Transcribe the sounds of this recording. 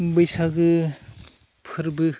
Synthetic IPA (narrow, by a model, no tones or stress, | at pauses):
bɯjsaɡɯ | pʰɯɾbɯ